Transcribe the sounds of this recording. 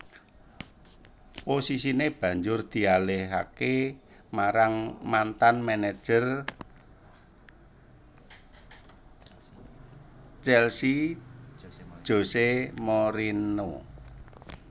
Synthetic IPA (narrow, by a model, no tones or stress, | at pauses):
posisineb̥ä̤ɲd͡ʒʊrd̪̥i̤alɪha̰ke | maɾaŋmant̪anmɛne̥ʒ̥ər | t͡ʃɛlsi | ʒ̥o̤semoɾino